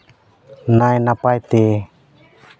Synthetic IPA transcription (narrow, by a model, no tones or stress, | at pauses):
najnapajt̪e